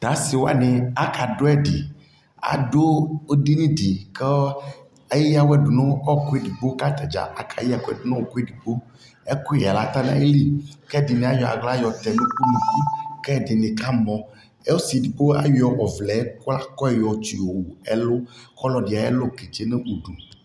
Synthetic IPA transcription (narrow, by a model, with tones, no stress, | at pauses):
t̪a˨˦si˨wo˦a̰˦ne˨a˦ka˨ɖo˦ɛ˦ɖi˨ | a̰˨do˦o˦di˦nĩ˦ɖi˨ke˦ | e˦ji˦ja˦wɛ˦ɖu˨nɔ̃˦ɔ˦˨ko˦e˦di˨ɡ͡bo˦ka˦t̪a˨d͡ʒa̰˨a˨kʰa̰˨ji˦a˨ko˦ɛ̰˨do˨nɔ̃˦o˨ko˦e˦di˨ɡ͡bo˦ | e˦ko˦˨ja˨la˨˦t̪a˦nã˦e˦li˦kɛ˦˨di˨nẽ˨a˦jɔ˨a̰˨ɡla˦jɔ˨t̪ɛ˨nũ˦k͡pu˦mũ˨ku˦kɛ˦˨de˨ne˨ka˦mɔ̃˨ | e˦wo˦si˨di˨bo˦a˨wɔ˨ʔɔ˨vlɛ˨˦ko˦la˦kɔ˦ɛ˦˨jɔ˨t͡ʃi˨wo˨wo˨ɛ˦lo˦kɔ˦lɔ˨ɖi˨a˨jɛ̰˦lo˦˨ke˨t͡ʃe˦ne˦ʔu˨ɖu˨